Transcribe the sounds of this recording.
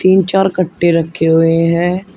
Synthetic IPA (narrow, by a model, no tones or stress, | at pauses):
t̪iːnt͡ʃaːɾkəʈːeɾɐkʰːeɦʊeɦɛ̃ː